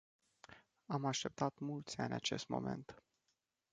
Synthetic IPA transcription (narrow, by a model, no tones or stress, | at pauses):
amaʃt̪e̞p̚t̪at̪mult̪sʲanʲat͡ʃe̞st̪mo̞̰me̞̰nt̪